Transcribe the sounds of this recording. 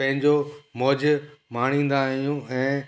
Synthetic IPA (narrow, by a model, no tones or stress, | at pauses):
pɐ̃ɦɪ̃ɲd͡ʑomɔːd͡ʑmaːɽ̃ĩːn̆d̪aːɦijũːɛ̃ː